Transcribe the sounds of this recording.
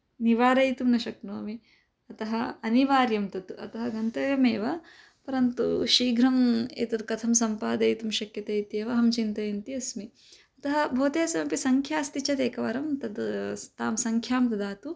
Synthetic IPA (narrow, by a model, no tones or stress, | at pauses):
niʋaːɾɐjt̪umnɐʃɐknoːmi | ɐt̪ɐɦɐɐniʋaːɾjɐmt̪ɐt̪uɐ̰t̪ɐɦɐɡɐnt̪ɐjɐmeːʋɐ | pɐɾɐnt̪ṵʃiːɡɾɐmḛːt̪ɐt̪kɐt̪ʰɐmsɐmpaːd̪ɐjt̪umʃɐkjɐt̪ɐjt̪jeːʋɐɦɐmt͡ʃint̪ɐjɐnt̪iɐsmi | ɐt̪ɐɦɐbʱoːt̪eːsɐmɐpisɐŋkʰjaːst̪it͡ʃɐt̪eːkɐʋɐɾɐmt̪ɐd̪t̪aːmsɐŋkʰjaːmt̪ɐd̪aːt̪u